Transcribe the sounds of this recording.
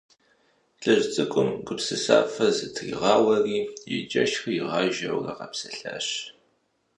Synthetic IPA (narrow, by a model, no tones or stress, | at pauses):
ɬʼɨʑt͡sʼɨkʷʼʊmɡʼɨpsɨsa̰ːfɐzɨtʰrḭːʁɑːwɐriːjɪd͡ʒʼɐʃxɨjɪʁɑːʒɐwrɐ̰qɑpsɐɬaːɕ